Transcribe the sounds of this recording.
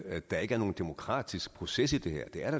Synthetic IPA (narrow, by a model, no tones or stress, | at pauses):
d̥ɑ̈e̝ɡ̥əæɐno̝ːn̩d̥e̝mo̝kʰʁɑ̰̈ːd̥isɡ̥̚pʰʁo̝ses̬id̥e̝hɛ̰ɐ̰d̥e̝æɐɾ̥ɑ